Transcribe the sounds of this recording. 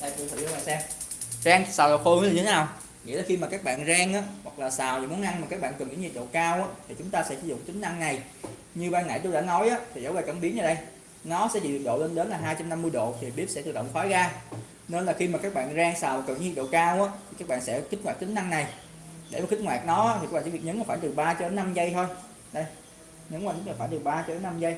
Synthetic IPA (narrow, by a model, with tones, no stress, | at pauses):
ɗa̰˧˨˩t̪u˧˨t̪ʰɨ̰˨˩˨o˧ɓaː˨˩sɛ˧ | zaː˧ŋsaː˨˩la˨˩wxo˧jlaː˨˩ɲɨ˧t̪ʰe˦naː˨˩w | ŋḭ˧˨laː˨˩xi˧maː˨˩kaː˦˥k̚ɓa̰ː˧˨nzaː˧ŋʔaː˨˦hwa˨˩k̚laː˨˩saː˨˩wḭ˨mu˨˦ənʔa˧nmaː˨˩kaː˦˥k̚ɓa̰ː˧˨nkə˨˩nŋʔḭ˧˥ŋɲi˨˩k̚ɗo̰˧˨kaː˧wʔaː˨˦˥t̪ʰi˨˩t͡ɕʊ˨˦ŋ͡mt̪aː˧sɛ̰˧˥ɨ˨˦zʊ̰˧˨ŋ͡mt͡ɕ̪ï˨˦ŋ̟ʔa˧ŋna˨˩j | ɲɨ˧ɓaː˧nːa̰ː˧˨jt̪o˧a̰ː˧˥nɔ˨˦jʔaː˨˦t̪ʰi˨˩zə̰˨˦wvaː˨˩jka˧˩˦ɓi˨˦ənɲə˧˩ɗə˧j | nɔ˨˦sɛ̰˧˥t͡ɕḭ˧˨˩ɗo̰˧˨le˧nɗe˨˦nlaː˨˩ɦaː˧jt͡ɕa˧mna˧mːɨ˧jɗo̰˧˨t̪ʰi˨˩ɓi˦˥əp̚sɛ̰˧˥t̪ɨ˨˩ɗə̰˧˨wŋ͡mfaː˨˦jɣaː˧ | ne˧nlaː˨˩xi˧maː˨˩kaː˦˥k̚ɓa̰ː˧˨nzaː˧ŋsaː˨˩wa˨˩kə˨˩n˨˧˦i˨˩ɗo̰˧˨kaː˧wʔaː˨˦˥t̪ʰi˨kaː˦˥k̚ɓa̰ː˧˨nsɛ̰˧˥xi˦˥t̟̚ŋwaː˨˩k̚t͡ɕ̪i˨˦ŋ̟ʔa˧ŋna˨˩j | ɗe˧˩maː˨˩xi˦˥t̚waː˨˩k̚nɔ˨˦aː˦˥t̪ʰi˨˩a˦˥ɓːi˨˩ɲə˨˦na˨˩faː˧˩t̪ɨ˨˩ɓaː˧t͡ɕɔ˧ɗe˨˦nːa˧mzə˧jt̪ʰo˧j | ɗə˧j | ɲə˨˦nŋwaː˧˩˦lːfaː˧˩jt̪̚ɓaː˧t͡ɕɔ˧ɗe˨˦nːa˧mzə˧j